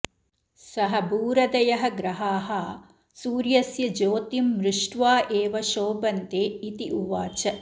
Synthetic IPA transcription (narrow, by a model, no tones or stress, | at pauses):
sɐɦɐbuːɾɐd̪ɐjɐɦɐɡɾɐɦaːɦɐ | suːɾjɐsjɐd͡ʒoːt̪imːɾɪʂʈʋaːʔeːʋɐʃoːbɐnt̪eːit̪iʔuʋaːt͡ʃɐ